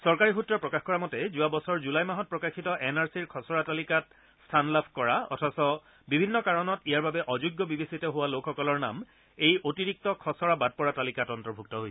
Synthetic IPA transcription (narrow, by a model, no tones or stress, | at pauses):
sɔɹkaɹixutːɹɔpɹɔkaxkɔɹamɔtɛzuabɔsɔɹzulajmaɦɔt̚pɹɔkaxʰitɔʔɛnaɹsiɹkʰɔsɔɹatalikat | stʰanlapʰkɔɹaɔ̰tʰɔsɔ | bibʱinːɔkaɹɔnɔtijaɹbabɛʔɔzuɡːɔbibesitɔɦʊwalokʰxɔkɔlɔɹna̰m | ejʔotiɹik̚tɔkʰɔsɔɹabad̚pɔɹatalikatɔntɔɹbʱuk̚tɔɦojsʰɛ̥